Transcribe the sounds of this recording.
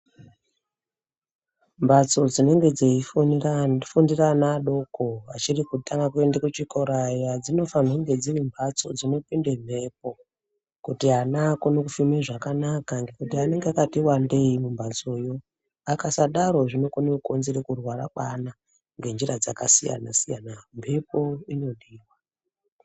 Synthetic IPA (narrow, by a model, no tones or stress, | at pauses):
mbat͡so̞d͡zine̞ŋɡe̞d͡zei | fundiranaɗo̞ko̞at͡ʃirikutaŋɡakue̞ndekut͡ʃikoɾajad͡zino̞fan̤uŋɡed͡zirimbʱat͡so̞d͡zino̞pinde̞m̤e̞p̚o̞ | kutiɦanako̞no̞kufimeʐakanakaŋɡekutiane̞ŋɡeakatiwande̞imumbʱat͡so̞jo̞ | akasaɗaɾo̞ʐino̞konekuko̞nzeɾekurwaɾa̰ɓana | ŋɡe̞nd͡ʒiɾad͡zakasija̰nasija̰nampʰepo̞ino̞ɗiːwa